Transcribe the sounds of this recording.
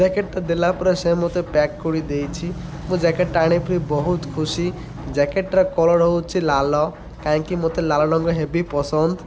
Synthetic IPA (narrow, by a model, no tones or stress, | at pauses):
d͡ʒɛkeʈt̪ɔd̪elapɔɾesemot̪epɛkːuɽid̪ejt͡ʃʰi | mũd͡ʒɛkeʈːaɽ̃ipʰɾibɔɦut̪kʰusi | d͡ʒɛkeʈɾɔkɔlɔɾɔɦot͡ʃʰilalɔ | kaĩkimot̪elalɔɽɔŋɡɔɦebipɔsɔnd̪